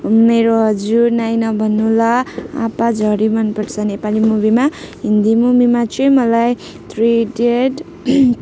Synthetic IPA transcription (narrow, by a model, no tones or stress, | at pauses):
meɾoɦʌd͡zuɾnajnʌbʱʌnːulaa̰pad͡zʱʌɾimʌnpʌɾt͡sʰʌnepalimubimaɦind̪imumimat͡sʰemʌlaj | t̪ʰriɖeɖ